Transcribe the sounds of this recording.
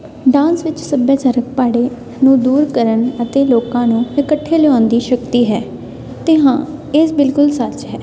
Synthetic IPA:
ɖãːnsʋɪt͡ʃsəbjaːt͡ʃaːɾək̚paːɽeː | nũːd̪uːɾkəɾənət̪eːloːkãːnũːɪkəʈʰːeːlɛãːnd̪iːʃəkt̪iːɦɛː | t̪eːɦãːesbɪlkʊlsət͡ʃɦɛː

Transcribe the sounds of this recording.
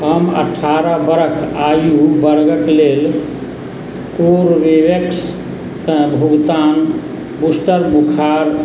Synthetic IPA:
ɦəmə̰ʈʰaɾəbəɾəkʰajubəɾɡəʈlel | koɾʋiʋeks | kəbʱuɡt̪an | busʈəɾbukʰaɾ

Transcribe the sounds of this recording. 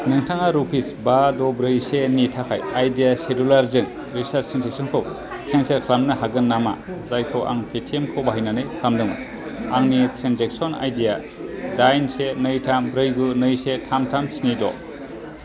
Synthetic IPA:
nɯŋtʰaŋaɾupʰisbadɔbɾɯjsenitʰakʰa̰jajdijasedulaɾzɯŋ | ɾisaɾtɾenzek̚sɔnkʰɯw | kʰenseɾkʰlamnɯɦaɡɯnːama̰zajkʰowʔa̰ŋpʰetʰiemkʰowbaɦəjnanɯjkʰlamdɯŋ | aŋnitʰɾenzek̚sɔna̰jdija | dajnsenɯjtʰamɾɯjɡunɯjsetʰamtʰamsinidɔ̰

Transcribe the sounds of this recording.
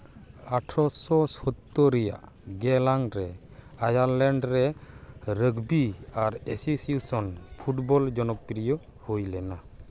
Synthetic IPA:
aʈʰɾɔsɔsɔt̪ːɔɾɛja̰ʔ | ɡɛlaŋɾɛajaɾlɛɳɖɾɛ | ɾəɡbiaɾɛsisusɔnpʰuʈbɔld͡ʒɔnɔk̚piɾijɔ | hujlɛna

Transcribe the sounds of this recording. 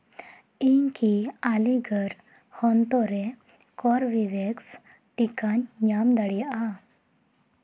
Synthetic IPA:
iŋkialiɡəɾ | hɔnt̪ɔɾe | kɔɾʋiʋeks | ʈikanɲamd̪əɽia

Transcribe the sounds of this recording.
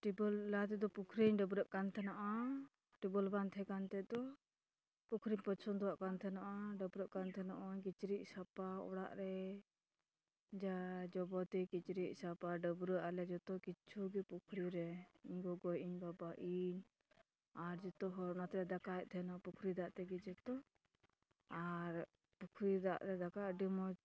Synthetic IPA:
ʈibəlːat̪ɛd̪ɔpukʰɾiɲɖəbɾəʔkant̪ʰɛnaʔa | ʈibəlbant̪ʰɛkant̪ɛd̪ɔ | pukʰɾimpət͡ʃʰɔnd̪ɔwaʔkant̪ʰɛnaʔaɖəbɾəʔkant̪ʰɛnaʔakit͡ʃɾiʔ̚sapaɔ̰ɽa̰ʔɾɛ | d͡ʒad͡ʒɔbɔt̪ikit͡ʃɾiʔ̚sapaɖəbɾəʔalɛd͡ʒɔt̪ɔkit͡ʃʰuɡipukʰɾiɾɛiɲɡɔɡɔjiɲbabaʔiɲ | aɾd͡ʒɔt̪ɔɦɔɾnat̪ɾɛd̪akat̪ʰɛnɔʔapukʰɾid̪aʔt̪ɛɡid͡ʒɛt̪ɔ | aɾ | pukʰɾid̪aʔɾɛd̪akaʔɖimɔ

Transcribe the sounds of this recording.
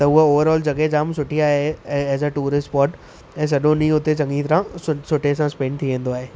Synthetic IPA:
t̪ɐʊɦooːʋəɾɔːld͡ʑɐɠed͡ʑaːmsʊʈʰiaːɦeːzəʈuːɾɪsʈpɔːʈ | ɛ̃ːs̬ɐɗõnĩʊt̪et͡ɕɐ̃ŋɡit̪ɐɾãsʊsʊʈʰesãspẽːɳɖ̚t̪ʰiʋẽːnd̪oaːɦeː

